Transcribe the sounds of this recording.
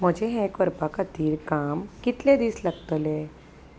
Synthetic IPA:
məd͡ʒʱeɦɛkʋəɾpakat̪iːɾkaːmkɪt̪led̪islɐɡt̪əlɛː

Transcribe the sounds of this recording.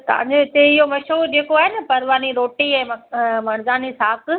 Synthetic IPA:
t̪ɐʋ̤ã̰ːɲd͡ʑoɪt̪eɪɦomɐʃod͡ʑeːkoaːɦɪnɪ̆pɐɾʋaːniɾoːʈiɛ̃ːmɐmɐɽ̃zaːnisaːk

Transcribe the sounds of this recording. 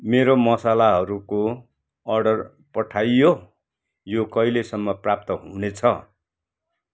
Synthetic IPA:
meɾomʌsalaɦʌɾuko | ʌrɖʌr | pʌʈʰajːo | jokʌjlesʌmːʌprap̚t̪ʌɦunet͡sʰʌ

